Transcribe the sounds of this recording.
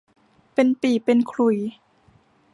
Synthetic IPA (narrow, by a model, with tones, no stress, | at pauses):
pe˧npiː˨˩pe˧nkʰlu˨˩j